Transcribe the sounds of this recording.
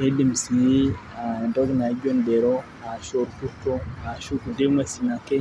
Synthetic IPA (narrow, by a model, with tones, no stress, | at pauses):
e˦di˨msi˨j | a˨ɛ˨ndɔ˦ɡna˨˦d͡ʒo˦ndɛ˨ɾo˦ | a˨ʃo˦ɾku˦to˦a˨ʃu˦ku˨de˦ma˨si˨na˨ke˦